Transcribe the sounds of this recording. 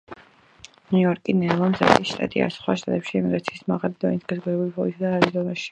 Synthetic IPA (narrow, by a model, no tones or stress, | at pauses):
nuɔɾkʼinɛlˠɔmza̰χisʃt̪ʼa̰t̪ʼia̰sχwaʃt̪ʼat̪ʼɛpʃiɛmiɡɾat̪sʰi̥ːsmaʁalid̪ɔ̰nisɡazɡuɾɛbulipʰɔlisad̪aalizɔnaʃi̥